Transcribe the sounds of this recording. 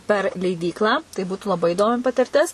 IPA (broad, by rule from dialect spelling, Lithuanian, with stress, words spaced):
pʲɛr lʲɛɪˈdʲiːklˠɑː tɐɪ ˈbuːtʊ lˠɐˈbɐɪ iːˈdoːmʲɪ pɐtʲɪrʲˈtʲɪs